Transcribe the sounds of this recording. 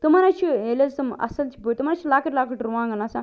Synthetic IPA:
t̪umaɾat͡ʃʰielɐsɐmɐ̰sɐlt͡ʃʰibut̪umaɾat͡ʃʰilakəʈlaːkʰəʈɾuʋãːŋɡɐnasã

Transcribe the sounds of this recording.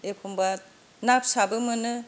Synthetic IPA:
epʰɔmba | nap̚sabɯmɯnɯ

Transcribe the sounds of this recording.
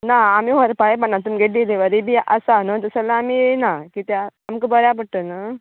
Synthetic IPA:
naːmiʋəɾpaepaɳnat̪̬umɡeʈ̚d̪ileʋəɾibʱiʔasanət̪əsalaːminakit̪eamkəbəɾjapəɽʈ̪əna

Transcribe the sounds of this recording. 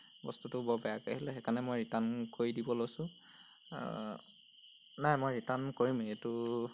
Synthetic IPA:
bɔstutʊbɔbɛjakahilɛxɛkanɛmojɹitankoɹidibɔlojsʊ̃ | najmojɹitankoɹimetʊ

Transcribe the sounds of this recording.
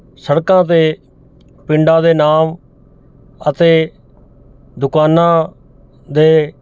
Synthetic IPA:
səɽkãːt̪eː | pɪ̃ɳɖãːd̪eːnaːm | ət̪eː | d̪ʊkaːnãː | d̪eː

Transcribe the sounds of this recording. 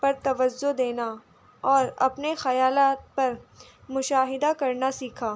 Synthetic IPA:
pɐɾt̪ɐʋəzːod̪eːna | ɔːɾɐpnexɐjaːlaːt̪̚pɐɾ | mʊʃaːɦɪd̪akɐɾnasiːkʰaː

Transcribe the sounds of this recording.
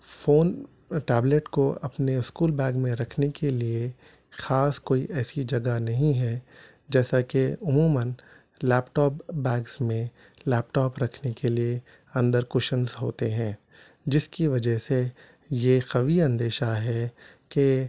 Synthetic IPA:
foːn | ʈɛːbleʈkoɐpneɪskuːlbɛ̃ːɡmẽɾɐkʰnekelie | xaːskoːiʔɛːsid͡ʒɐɡanɐɦĩɦɛ | d͡ʒɛːsakeʊmuːmən | lɛːpʈɔːpbɛːɡsmẽ | lɛːpʈɔːpɾɐkʰnekelie | ɐ̃nd̪əɾkʊʃənzɦo̰ːt̪eɦɛ̃ː | d͡ʒɪskiʋɐd͡ʒəɦse | jexɐʋiɐ̃nd̪eːʃaɦɛ | ke

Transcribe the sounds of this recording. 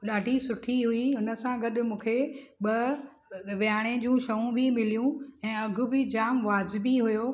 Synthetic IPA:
ɗaːɖʱisʊʈʰiɦʊiɦʊnə̆sãɡɐɗʊ̆mũːkʰeɓɐ | ʋɪaːɽ̃ẽd͡ʑũːʃɐũbʱimɪlijũɛ̃ːɐɡʱʊ̆bɪd͡ʑaːmʋaːd͡ʑɪbiɦʊjoː

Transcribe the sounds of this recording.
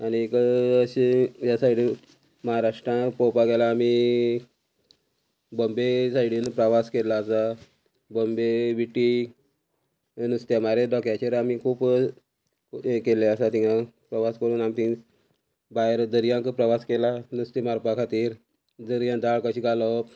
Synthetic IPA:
añikəəɕijasaiɽi | məɦaɾaʂʈɾãpɔwpaɡelaːmi | bəmbesaiɽinpɾəʋaskelaːsa | bəmbeʋiʈi | nust̪jamaɾed̪ɔkjat͡ɕeɾamikʰuːp | keleasat̪ĩŋãpɾəʋaskəɾuːnamt̪ĩ | baeɾd̪əɾjãŋkəpɾəʋaskelanust̪emaɾpakʰat̪iːɾ | d̪əɾjãd̪aɭkəɕiɡalɔ

